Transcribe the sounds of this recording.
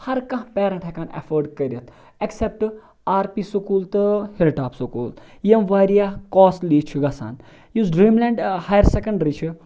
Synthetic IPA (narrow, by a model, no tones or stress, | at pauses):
hɐɾkɐ̃ɦpeːɾɐɳʈʰekaːnɐ̰fɐɾɖkɐɾʲɐt̪ʰ | ɐksep̚ʈ | aːɾpiːsukuːlt̪ɨhilʈaːpsukuːl | jemʋaːɾijaːkoːsliːt͡ʃʰuɡɐsa̰ːn | juzɖɾiːmlɛːɳɖhaːjɐɾsekɐɳɖɾit͡ʃʰi